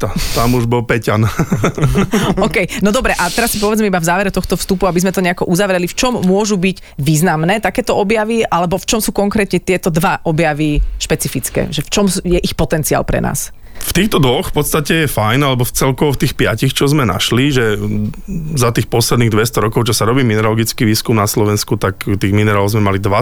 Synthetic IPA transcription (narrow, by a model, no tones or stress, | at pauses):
t̪at̪amuʒbɔlpɛcan | ɔkɛjnɔd̪ɔbɾɛʔat̪ɛɾasːi̥pɔʋɛd͡zmɛibavzaːʋɛɾɛt̪ɔxt̪ɔfst̪upuabizmɛt̪ɔɲɛakɔʔuzaʋɾɛlift͡ʃɔmːʊɔʒubiɟ | ʋiːznamnɛːt̪akɛːt̪ɔɔbjaʋiʔalɛbɔft͡ʃɔmsuːkɔŋkɾɛːt̪ɲɛt̪ɪɛt̪ɔd̪ʋaʔɔbjaʋiʃpɛt͡sifit͡skɛ̰ːʒɛft͡ʃɔmsjɛʔixpɔt̪ɛnt͡sia̰lpɾɛ̰na̰ːs | ft̪iːxt̪ɔd̪ʋɔxpɔt̪st̪acɛjɛfajnalɛbɔft͡sɛlkɔʋɔft̪iːxpɪacixt͡ʃɔzmɛna̰ʃliʒɛ | zat̪iːxpɔslɛd̪niɣd̪ʋɛst̪ɔɾɔkɔʊt͡ʃɔsaɾɔbiːminɛɾalɔɡit͡skiʋiːskumnaslɔʋɛnskut̪akt̪iːɣminɛɾalɔʊzmɛmalid̪ʋa